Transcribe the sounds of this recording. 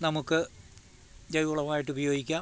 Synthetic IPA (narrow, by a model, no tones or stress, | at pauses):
nɐmukːɨ | d͡ʑɐjuɭɐmaːjiʈːubɐjo̞ːɡikʲːaː